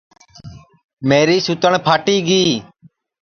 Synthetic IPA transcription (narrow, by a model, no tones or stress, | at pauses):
meːɾiːsut̪əɳpʰaːʈiːɡiː